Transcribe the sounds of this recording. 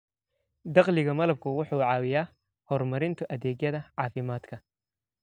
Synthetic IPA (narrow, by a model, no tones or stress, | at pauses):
d̪ɑqlɪɣɐmɐlɐb̚kʰʊwʊħuːʕɑːwɪjaː | hɔrmɐɾɪnt̪ʰʊʔɐðɛːɡjɐðɐʕɑːfɪmaːd̪kʰɐ